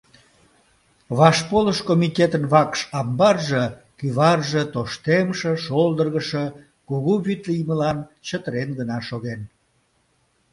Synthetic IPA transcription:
βɑʃpoləʃkomit̪ʲet̪ənβɑkʃɑmbɑrʒə | kyβɑrʒet̪oʃt̪emʃəʃold̪ərɣəʃə | kuɣuβyt̪lijməlɑnt͡ɕət̪əɾenɡənɑʃoɣen

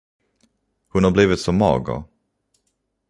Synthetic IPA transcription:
hɵnhabliːvɪt̪sɔmːɑ̰ːɡə̰ɾ

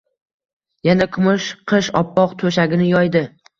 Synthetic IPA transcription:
janakʰʊmʊʃqʰɨʃɒpːɒqt̪ʰoʃaɡʲɪnɪjɒjd̪ɪ

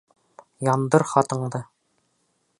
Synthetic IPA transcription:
jɒnd̪ɤɾχɒt̪ɤ̆ɴd̪ɤ

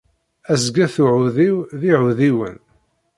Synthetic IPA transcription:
æzɡæθuʕʊðiwðiʕʊðiwə̰n

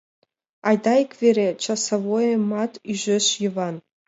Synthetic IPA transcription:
ɑjd̪ɑikvʲeɾʲet͡ɕɑsavojemɑt̪yʒɘ̆ʃjɨvɑn

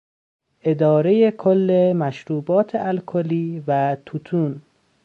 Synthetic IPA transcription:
ʔe̞d̪ɒːɾejekʰolːemæʃɾuːbɒːt̪ʰeʔælkʰoliːvæt̪ʰut̪ʰuːn

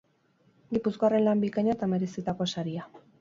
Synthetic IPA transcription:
ɡipuskoare̞nlambikaɲat̪ame̞ɾesit̪ako̞saɾia

